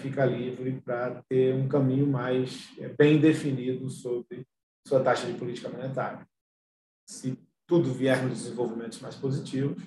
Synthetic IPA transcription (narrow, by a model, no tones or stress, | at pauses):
fikɐlivɾɪpɾɐt̪eũkɐ̃mĩɲʊmajsɛbẽj̃d̪efinid̪ʊsobɾɪ | suɐt̪aʃɐd͡ʒɪpʊlit͡ʃikɐmõnet̪aɾjɐ | sɪ | t̪ud̪ʊviɛɾnʊ̃d̪ɪzẽvowvimẽnt̪ʊ̥zmajspozit͡ʃivʊs